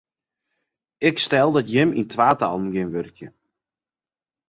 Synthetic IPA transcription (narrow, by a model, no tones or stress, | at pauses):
ɪkstɛlˠdɔtjɪmintʰʋaːta̰lˠəmɡɪnʋørkjə